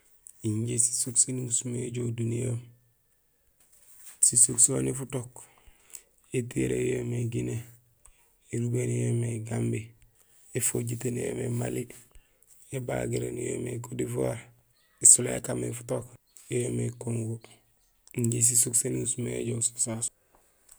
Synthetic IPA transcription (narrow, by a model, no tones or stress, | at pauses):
iɲɟesi̥sukseniusumeɟoːdunijoːm | sisuksonifutok | etiɾḛjomeɡine | eɾubenjomeɡambi | efoɟitenjḛmema̰li | eba̰ɡiɾḛnijo̰mekodifoɾ | isuloja̰kamefu̥tok | jomekoŋɡo | ɲɟis̬isukseniusumeɟoso̥sas